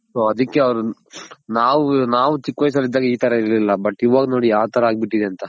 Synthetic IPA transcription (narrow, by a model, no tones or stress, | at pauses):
soɐd̪ikːe̞ɐʋɾunaːʋunaːʋut͡ʃikːʋɐjs̬ɐlid̪ːaːɡeiːt̪ɐɾɐiɾlilːɐbɐʈːiʋaːɡɐno̞ːɽijaːʋɐt̪ʰɐɾɐaːɡ̚biʈːid̪eɐnt̪ɐ